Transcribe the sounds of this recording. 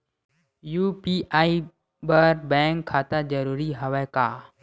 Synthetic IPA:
juːpiːʔaːi | bəɾbɛ̃ːŋkʰːaːt̪ad͡ʒəɾuːɾiɦəʋɛːkaː

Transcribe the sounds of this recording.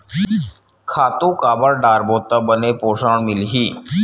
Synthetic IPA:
kʰaːt̪ũkaːbəɽɖaːɾboːt̪ːəbənepoːʂaɳmɪlɦiː

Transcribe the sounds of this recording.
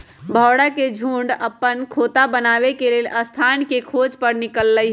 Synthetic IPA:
bʱɔːɽaked͡ʒʱũːɳɖəpːənkʰoːt̪abənaːʋekeleːlʔəst̪ʰaːnkekʰoːd͡ʒpəɾnɪkəlːəi

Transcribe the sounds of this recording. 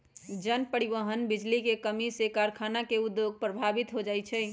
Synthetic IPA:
d͡ʒənpəɾiʋəɦənbid͡ʒlikekəmisekaɾkʰanakeʊd̪joɡ̚pɾəbʱabit̪ɦod͡ʒaɛt͡ʃʰɛ

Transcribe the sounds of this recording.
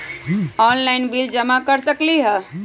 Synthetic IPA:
ɔnlaɪnbild͡ʒəmakəɾsəkliɦɛ

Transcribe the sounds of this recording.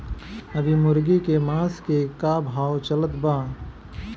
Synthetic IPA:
əbʱimʊɾɡikemaːskekabʱaːwt͡ʃələt̪bãː

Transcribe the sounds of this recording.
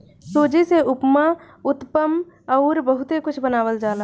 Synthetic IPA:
soːd͡ʒiseʊpma | ʊt̪pəm | ɔːɾbəɦʊt̪ekʊt͡ʃʰbənaːwəld͡ʒaːla

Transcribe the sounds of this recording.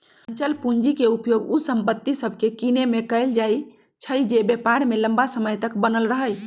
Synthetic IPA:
nt͡ʃəlpuɲd͡ʒikeupjoɡusəmpət̪ːisəbʱkekinemekəɪld͡ʒaj | t͡ʃʰəjd͡ʒebepaɾmeləmbasəməjt̪əkbənəlɾəɦəj

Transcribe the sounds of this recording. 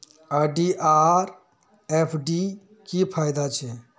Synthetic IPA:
aɖiʔaɾ | epʰɖi | kipʰajd̪at͡ʃʰɛ

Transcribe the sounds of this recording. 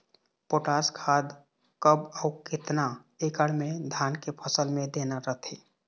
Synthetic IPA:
poʈaskʰad̪ | kəbəukɪt̪na | ekəɽmed̪ʱankepʰəsəlmẽd̪enaɾəɦt̪ʰe

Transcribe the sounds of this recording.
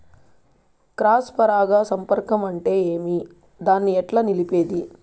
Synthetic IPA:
kɾaːspɐɾaːɡaːsɐmpɐɾkɐmɐɳʈe̞ːeːmi | d̪aːnːiɛʈlaːnilipe̞ːd̪i

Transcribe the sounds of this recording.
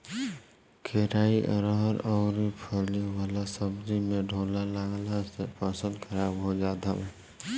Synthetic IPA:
kʰeɾaːiʔəɾəɦəɾɔʊɾipʰəliwaːlasəbd̪imẽɖʱoːlalaɡlasepəsə̃nd̪kʰəɾabɦod͡ʒaːt̪alɛ

